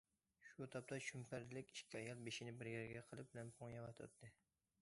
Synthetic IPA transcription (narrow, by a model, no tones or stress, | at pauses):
ʃut̪ʰɑp̚t̪ʰɑʃʰympæɾd̪ɪlɪkʲi̥ʃkʲʰiɑjɑlˠbeʃinɪbɪɾɡæɾɡʲɛqʰəlˠɨp̚bɪlɛnpʰoŋjɑwɑt̪ʰɑ̰t̪t̪ʰːɨ